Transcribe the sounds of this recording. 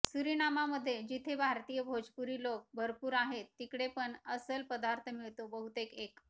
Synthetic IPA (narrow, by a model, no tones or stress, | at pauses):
suɾinamaməd̪ʱːjed͡ʑit̪ʰebʱaɾt̪ijəbʱod͡ʑpuɾiːlok̚bʱəɾpuːɾaɦet̪ːikɽepəɳəsəlpəd̪aɾt̪ʰəmiɭt̪obəɦut̪ekek